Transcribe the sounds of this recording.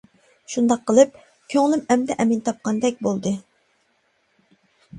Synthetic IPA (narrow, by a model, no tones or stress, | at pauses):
ʃund̪ɑqʰːəlˠɨp̚ | kʲʰøŋlˠɪmɛmd̪ɛʔɛmɪnt̪ʰɑp̚qʰɑnd̪ɛk̚ʲbolˠd̪ɨ